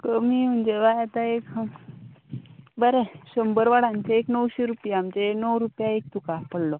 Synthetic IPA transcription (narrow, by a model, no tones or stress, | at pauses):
kəmim̤ənd͡ʑeʋajat̪aek | bəɾeɕəmbəɾʋaɽãɲt͡ɕeːknəwɕeɾupjaːmt͡ɕenəwɾupjaek̚t̪ukapəɽlɔ